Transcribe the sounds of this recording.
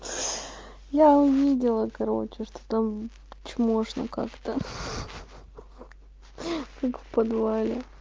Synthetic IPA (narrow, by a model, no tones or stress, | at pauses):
jaʊvʲidʲɪlˠəkɐɾo̞̰t͡ɕɪʂt̪o̥t̪am | t͡ɕmoʂno̰ka̰kt̪ə | kakfpɐd̪valʲɪ